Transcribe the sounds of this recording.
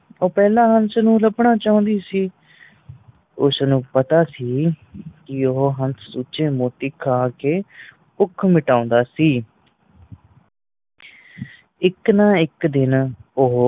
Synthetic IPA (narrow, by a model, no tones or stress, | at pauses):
oːpɛːlãːɦənsnũːləbɳaːt͡ʃaːʊ̃nd̪iːsiː | ʊsnũːpət̪aːsiːkɪoɦoɦənt̪ʰsuːt͡ʃẽːmoːt̪iːkʰaːkeː | ʊkʰmɪʈaːʊ̃ːnd̪aːsiː | ɪknãːɪkd̪ɪnoɦ